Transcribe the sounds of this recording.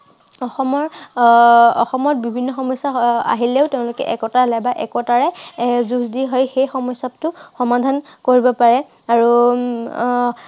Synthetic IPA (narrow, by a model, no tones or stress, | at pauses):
ɔxɔmɔɹ | ɔ̰xɔmɔt̚bibʱinːɔxɔmɔjsaa̰ɦileʊteʊ̃lʊkɛ̰ʔɛkɔtalɛbaʔɛkɔtaɹɛzusdiɦɔjxejxɔmɔjsap̚tʊxɔmadʱan | koɹibɔpaɹɛ | aɹu